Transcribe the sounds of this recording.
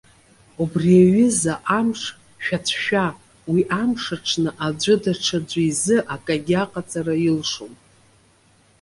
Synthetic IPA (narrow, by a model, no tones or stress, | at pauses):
ubriaɥɪzaʔamʂ | ʃᶣat͡sʷʰʃᶣa | wiʔamʂaʈ͡ʂʰnɨʔad͡zʷʊdaʈ͡ʂʰad͡ʒʷaizɨʔakʼaɡʲaqʼat͡sʼarajilʂom